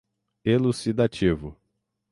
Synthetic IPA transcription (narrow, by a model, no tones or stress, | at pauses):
elusid̪at͡ʃivʊ